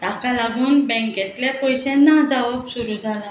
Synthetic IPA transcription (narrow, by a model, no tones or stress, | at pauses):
t̪akalaɡuːnbɛ̃ŋkɛt̪ljapɔjɕɛ̃nːad͡zaʋəbsuɾuːd͡zʱala